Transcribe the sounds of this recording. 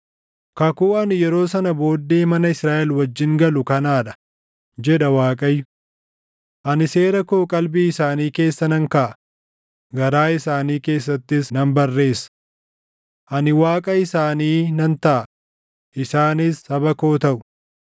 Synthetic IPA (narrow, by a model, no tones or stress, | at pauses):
kɐkuːɐnɪjɛɾo̞ːsɐnɐbo̞ːd̪ːeːmɐnɐɪsɾaːʔɛlwɐd͡ʒːɪŋɡɐlʊkɐnaːᶑɐ̥ | d͡ʒɛᶑɐwaːkʼɐjːʊ | ʔɐnɪse̞ːɾɐkoːkʼɐlbiːɪsaːniːke̞ːsːɐnɐŋkaʔɐ | ɡɐɾaːɪsaːniːke̞ːsːɐt̪ːɪsnɐmbɐrːe̞ːsɐ̥ | ʔɐnɪwaːkʼɐɪsaːniːnɐnt̪ɐʔɐ | ʔɪsaːnɪshɐbɐkoːt̪ɐʔʊ̥